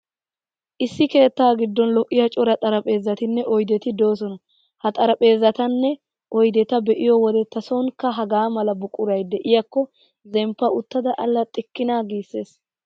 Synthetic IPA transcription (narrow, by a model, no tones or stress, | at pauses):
ʔɪsːɪke̞ːt̪ːaːɡɪd̪ːɔnlɔkʼːɪjɐt͡ʃʼɔɾɐt̪ʼɐɾɐpʼe̞ːzːɐt̪ɪnːɛʔɔjd̪ɛt̪ɪd̪o̞ːs̬ɔnɐ | hɐt̪ʼɐɾɐpʼe̞ːzːɐt̪ɐnːɛ | ʔɔjd̪ɛt̪ɐbɛʔɪjɔwɔd̪ɛt̪ːɐsoŋkɐɦɐɡaːmɐlɐbʊkʼːʊɾɐjd̪ɛʔɪjɐkːɔ | zɛmpːɐʊt̪ːɐd̪ɐʔɐlːɐt̪ʼɪkːɪnaːɡiːsːe̞ːs